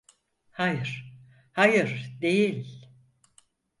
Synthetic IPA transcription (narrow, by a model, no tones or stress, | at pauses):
hajɯɾ̥ | hajɯɾ̥d̪e̞jilʲ